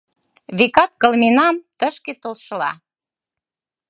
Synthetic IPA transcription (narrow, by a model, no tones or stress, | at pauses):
βikɑt̪̚kɤ̆lminɑmt̪əʃket̪olʃəlɑ̰